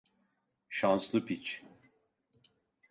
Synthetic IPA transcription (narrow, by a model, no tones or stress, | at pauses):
ʃanslˠɯpit͡ʃ